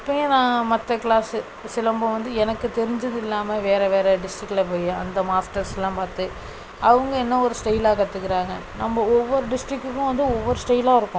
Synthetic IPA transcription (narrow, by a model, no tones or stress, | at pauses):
pːɐŋɡɐnãːmɐt̪ːɐkɪlaːsɯ | sɪlɐmbɔ̃ʋɐnd̪ɯɛnɐkːɯt̪ɛɾɪɲd͡ʒɐðɪlːaːmɐʋeːɾɐʋeːɾɛɖɪsʈɾɪkːlɐp̬oːjɐ̃ɐ̰nd̪ɐmaːsʈɐɾsɛlːãːpaːɾt̪ɯ | ɐʋɐŋɡɐɛnːɐɔɾɯsʈɐjɪlaːkɐt̪ːɯkːɪɾaːŋɡɐnɐmːɐɔʋːɔɾɯɖɪsʈɾɪkːɯkːʊ̃ʋɐnd̪ɯɔʋːɔɾɯsʈɐɪlaːɪɾɯkːʊ̃